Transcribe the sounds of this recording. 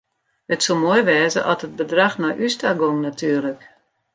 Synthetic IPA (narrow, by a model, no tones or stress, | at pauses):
ətsolˠmojʋɛːzə̰ʔɔtəd̚bədraxnɔjʔystaɡoŋnatʰyːərlək